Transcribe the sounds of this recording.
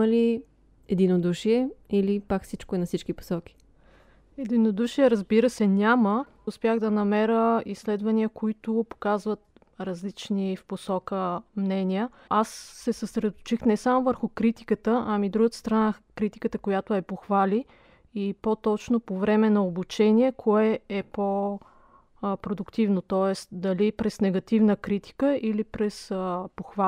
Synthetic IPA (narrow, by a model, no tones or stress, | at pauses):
ɐli | ɛd̪inod̪uʃiɛilipakfsit͡ʃkoɛnɐfsit͡ʃkipo̥sɔk̟i̥ | ɛd̪inod̪uʃiɛɾəzbiɾəsɛnʲamə | ʊspʲjaɣd̪ɐnɐmɛɾəislɛd̪vɐniəkoit̪ʊpo̥kazvət̪̚ | ɾɐzlit͡ʃnifposɔkəmnɛnʲijə | asːɛsəsɾɛd̪ot̪ʊ̥t͡ʃixnɛsamovəɾxʊkɾit̪i̥kət̪əʔɐmid̪ɾuɡət̪ə̥st̪ɾɐnakɾit̪i̥kət̪əkojat̪ʊɛpoxvali | ipot̪ɔt͡ʃnopovɾɛmɛnɐobut͡ʃɛniɛkʰoɛɛpo | pɾod̪ʊkt̪ivnot̪ɔɛst̪d̪ɐlipɾɛsnɛɡɐt̪ivnəkɾit̪i̥kəʔilipɾɛspoxva